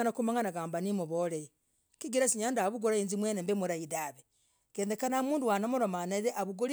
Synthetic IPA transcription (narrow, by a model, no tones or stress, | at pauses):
nakumaŋɡanaɡaːmbanimuβoleji | kiɡiɾasiɲaːndaβuɡoɾaiːnzimwenembemuɾaidaβe | ɡ̥eːndekanamuːnduwanamuɾomanaɾeʔaβuɡoli